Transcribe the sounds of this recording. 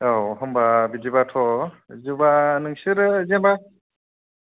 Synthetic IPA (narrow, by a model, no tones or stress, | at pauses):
awhɔmbabidibatʰɔzɯbanɯŋsɯɾɯzɛmba